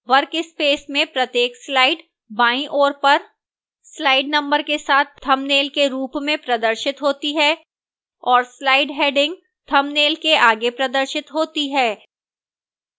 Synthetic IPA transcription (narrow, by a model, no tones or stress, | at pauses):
ʋɐɾkɪspeːsmẽpɾɐt̪jeːkslaːɪɖ | baːĩʔoːɾpɐɾ | slaːɪɖnɐ̃mbəɾkesaːt̪̚ʰt̪ʰɐmneːlkeɾuːpmẽpɾɐd̪əɾʃɪt̪ɦoːt̪iɦɛː | ɔːɾslaːɪɖɦeːɖɪ̃ŋɡ̚ | t̪ʰɐmneːlkeʔaːɡepɾɐd̪əɾʃɪt̪ɦoːt̪iɦɛː